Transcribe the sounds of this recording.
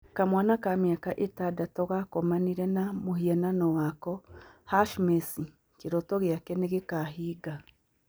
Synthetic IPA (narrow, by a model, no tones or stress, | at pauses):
kamwanakameakaʔetadatɔɣakɔmaniɾɛnamohiɛnanɔwakɔhaʃmesi | keɾɔtɔɣjakɛneɣekaɦiːɡa